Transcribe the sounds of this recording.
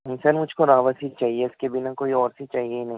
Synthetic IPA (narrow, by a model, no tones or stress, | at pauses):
ɦɪ̃sɐɾmʊd͡ʒʱkoɾaːʋəsit͡ʃaːɦieɪskebɪnakoːiɔːɾsit͡ʃaːɦieinɐɦĩ